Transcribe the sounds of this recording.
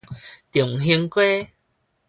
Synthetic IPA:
t̪ju˨˩ŋɦi˧əŋkwe˦

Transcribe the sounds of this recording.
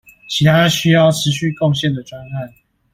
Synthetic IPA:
t͡ɕʰi˨˥t̪ʰa˥ɕy˥jɑ˥˩ʊʈ͡ʂʰɻ̩˨˦ɕy˥˨kɔ˥˨ŋɕjɛ˥˨nd̪ə˩ʈ͡ʂwa˦na˥˩n

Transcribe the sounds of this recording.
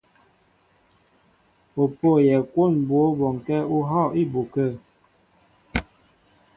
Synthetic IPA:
o˨po˦˨jɛ˨kwo˦˨nbwo˨˦bɔ˨ŋ˨kɛ˦u˦ɦɔ˦˨ʔi˦˨bu˨kə˦˨

